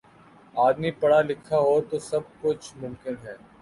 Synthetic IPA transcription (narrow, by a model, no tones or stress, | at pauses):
aːd̪mipɐɽalɪkʰːaɦot̪osɐb̚kʊt͡ʃʰmʊ̃mkɪnɦɛː